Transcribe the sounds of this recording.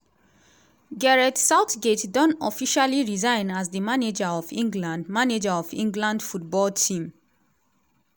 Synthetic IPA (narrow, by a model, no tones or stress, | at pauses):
ɡɛɹɛtsaʊtɡetdɔ̃nɔfiʃaliɹizãɪ̃nazdimaned͡ʒaɔvĩŋɡlãndmaned͡ʒaɔvĩŋɡlãndfut̚bɔltʰĩm